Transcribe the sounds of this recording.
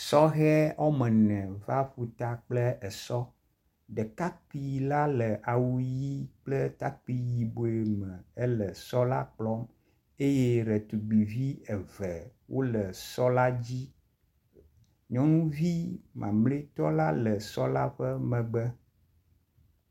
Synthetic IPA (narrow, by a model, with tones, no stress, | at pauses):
sɔ˦ɣɛ˦ɔ˦mɛ̃˨nɛ̃˨va˦ɸu˨t̪a˨k͡plɛ˦ʔɛ˨sɔ˦ | ɖɛ˨ka˦k͡pi˨la˦lə˨ʔa˨wu˦ji˦k͡plɛ˦t̪a˦k͡pi˦ji˨bo˨e˨mɛ̃˨ɛ˦lə˨sɔ˦la˦k͡plɔ˦m | e˦jɛ˦ɾɛ˨t̪u˨ɡ͡bi˨vi˦ɛ˨vɛ˨wʔo˦lə˨sɔ˦la˦d͡ʑi˦ | ɲɔ̃˦nũ˦vi˦mã̰˨mle˦t̪ɔ˦la˦lə˨sɔ˦la˦ɸɛ˦mɛ̃˨ɡ͡bɛ˦